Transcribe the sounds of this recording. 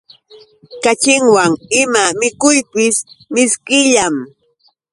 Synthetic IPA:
kat͡ʃɪŋwaŋɪmamɪkʊjpɪsmɪskɪʎam

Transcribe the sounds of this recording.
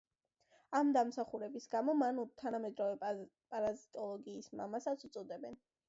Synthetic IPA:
amd̪amsaχuɾɛbisɡamɔmanut̪ʰanamɛd̪ɾɔvɛpʼaɾazit̪ʼɔlˠɔɡiːsma̰masat̪sʰut̪sʼɔd̪ɛbɛn

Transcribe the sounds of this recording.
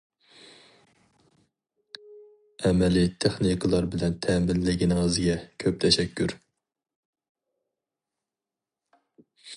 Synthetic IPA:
ɛmɛlit̪ʰeχnikʰɨlˠɑɾbɪlɛnt̪ʰɛmɪnlɪɡʲinŋəzɡʲɛkʲʰøp̚t̪ʰɛʃɛkʲʰːyɾ

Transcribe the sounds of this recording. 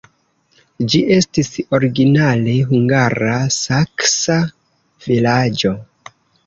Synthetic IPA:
d͡ʒiʔe̞stiso̞ɾiɡinale̞ɦuŋɡaɾasaksa | vilad͡ʒo̞

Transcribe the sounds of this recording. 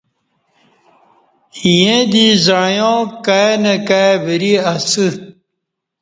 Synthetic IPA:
ijẽd̪izajõkaenɐkaebiɾiasɨ

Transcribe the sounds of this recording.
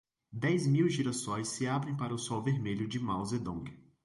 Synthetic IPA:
d̪ɛjzmiwʒiɾasõj̃sːɪabɾẽj̃paɾɐʊsɔwveɾmeʎʊd͡ʒɪmawzed̪õɡɪ

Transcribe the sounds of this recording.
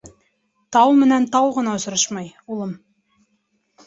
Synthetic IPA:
t̪ɑwmɘ̆nænt̪ɑwʁɤ̆nɑŏsɤ̆ɾɤʃmɑjulˠɤm

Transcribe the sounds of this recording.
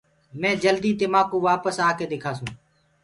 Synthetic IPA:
mɛ̃ːd͡ʒəld̪iːd̪ɪmaːkũːʋaːpəsaːkeːd̪eːkʰaːsũː

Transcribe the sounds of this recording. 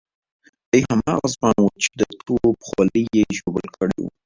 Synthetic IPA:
d̪̥əjhamɑɣazmɑnwət͡ʃe̥d̪ət̪ʰopxwɑləjeʒobəlkʰəɽḛwṵ

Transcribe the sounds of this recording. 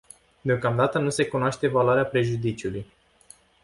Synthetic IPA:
d̪eo̞kamd̪at̪ənuse̞kunoaʃt̪e̞valoaɾeapɾe̞ʒud̪it͡ʃiuluj

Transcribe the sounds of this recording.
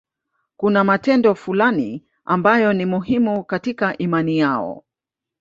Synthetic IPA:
kunamatɛndɔfulani | ambajɔnimuɦimukatikaʔimanijaɔ̰

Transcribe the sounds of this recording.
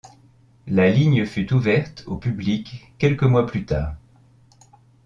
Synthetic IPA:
laliɲəfyt̪uvɛʁt̪ʰopyblikː | ɛlkəmwaplyt̪a̰ːʁ

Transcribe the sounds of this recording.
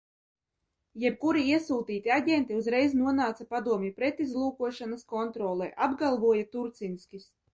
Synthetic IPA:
jɛp̚kuɾiiɛsuːt̪iːt̪iaɟʲent̪iuzɾɛjznuɔnaːt̪sapad̪uɔmʲipɾet̪izlˠuːkuɔʃanaskɔnt̪ɾɔːlˠɛjʔabɡalˠvuɔjat̪uɾt̪sinsʲkʲis

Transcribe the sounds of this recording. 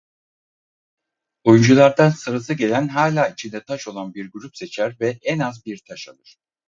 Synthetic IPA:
ojund͡ʒulˠaɾd̪ansɯɾas̬ɯɟe̞lʲænɦaːlʲaːit͡ʃʰind̪ɛt̪ʰaʃo̞lˠanbiɾɡyɾupse̞t͡ʃʰæɾvɛʔɛnazbiɾt̪ʰaʃalˠɯɾ̥

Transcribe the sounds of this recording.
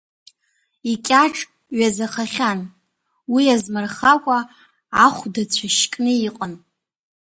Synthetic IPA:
ikʲʼaʈ͡ʂʼ | ɥazaχaχʲan | wiazmarχakʷʼaː | χʷdat͡ɕʷʰaʃkʼnɨiqʼən

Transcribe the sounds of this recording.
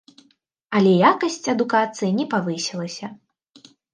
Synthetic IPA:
ɐlʲɛjakɐsʲt͡sʲɐd̪ukat̪sɨjinʲɛpavɨsʲɛlˠɐsʲɐ

